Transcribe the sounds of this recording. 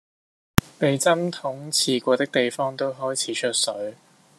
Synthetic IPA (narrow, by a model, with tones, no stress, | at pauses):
pe˨jt͡sɐ˥mt̪ʰʊ˨˥ŋt͡sʰiː˨˧kʷɔː˧t̪ɪ˥k̚t̪e˨jfɔː˥ŋt̪o˥wɦɔː˥jt͡sʰiː˨˥t͡ʃʰɵ˥t̚sɵ˨˥ɥ